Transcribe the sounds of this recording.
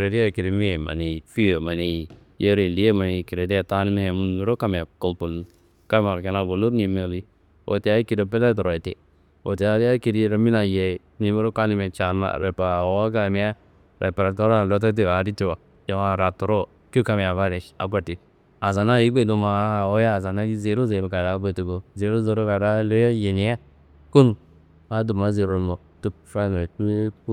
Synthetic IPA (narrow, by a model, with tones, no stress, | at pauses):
ɾe˨ɾi˦a˦˨ki˨ɾi˨mi˦e˨ma̰˨ni˨fi˦o˨ma˨ni˨ | je˦ɾe˨li˨˦je˦ma˨ni˨ki˨ɾe˨dta˦ni˦me˦e˨mu˦n˦mi˦ɾo˦ka˦m˨a˨ko˨lpu˨l | ka˦ma˨e˨na˦˨bo˨lo˦ni˨me˨li˦ | o̰˨te˨a˦i˦ki˨ɾe˨pe˦la˦t̬o˨ɾo˨e˨tḛ˨ | o̰˨te˨a˨ɾi˦a˦ki˨ɾi˦ɾa˨mi˦na˨je˨ | ni˨me˦ɾo˦ka˦ni˦me˨t͡ʃa˨ma̰˨ɾe˨pa˨wa˦ɡa˨mi˦a˦ | ɾe˨pe˨ɾa˨to˦ɾa˦˨lo˦t̬a˦t̬e˦˨a˨˦ɾi˦ti˦˨wa˨ | jo˨ma˨ɾa˨to˨ɾo˦ | ki˦ka˦mi˨a˨va˦ɾe˨ʃa̰˨˦ɡʷa˦˨ti˨ | a˨za˨na˦i˦ɡ͡be˦˨do˨ma˨˦o˦ja˦˨za˨na˦i˦ze˨˦ɾo˦ze˨ka˨ɾa˦be˦˨tu˨ɡo˨ze˨˦ɾo˦ze˨ɾo˦ka˨ɾa˦lo˦a˦je˨ni˨˦a˦ | ku˦n | a˨˦du˨ma˨˦ze˨ɾo˨˦mo˨ | tu˦pfa˦n˨e˨kp